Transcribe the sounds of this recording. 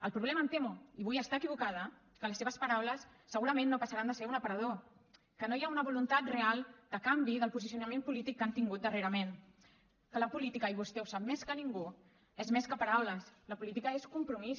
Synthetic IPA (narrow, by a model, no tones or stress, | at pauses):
əlˠpɾuβ̞lɛməːnt̪emuiβujəst̪aəkiβukað̞ə | kələsːeβəspəɾawləsːəɣuɾəmenːopəsəɾand̪əseunəpəɾəðo | kənojaunəβulunt̪at̪realˠd̪̥əkambiðəlˠpuzisiunəmempulit̪ikːant̪iŋɡut̪̚d̪əreɾəmen | kələpulit̪ikəiβust̪ɛwsap̚meskəniŋɡu | ezmeskəpɐɾawləsləpulit̪ikəeskumpɾumis